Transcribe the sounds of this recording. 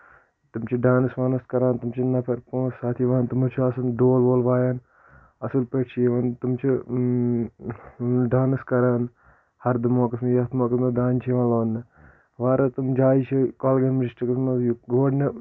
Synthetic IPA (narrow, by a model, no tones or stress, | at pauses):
t̪umt͡ʃʰiɖaːnɨsʋaːnɐskɐɾaːnt̪umt͡ʃʰinːɐpʰɐɾpõːsaːt̪ʰiʋaːnt̪umɐt͡ʃʰiɐsunɖoːlboːlʋaːjaːn | ɐsulpeːʈt͡ʃʰijʋaːnt̪umt͡ʃʰi | ɖaːnɨskɐɾaːn | hɐɾd̪ɨmoːkɐsmɐjɐt̪ʰmoːkɐsmɐd̪aːnt͡ʃʰiʋãloːnːɨ | ʋaːɾɐt̪umd͡ʒaːit͡ʃʰikoːlɡɐnmɐd͡ʒisʈikɐsmɐjɡoːɖnɐ